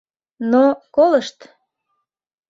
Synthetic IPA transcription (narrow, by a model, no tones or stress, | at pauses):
nokoləʃt̪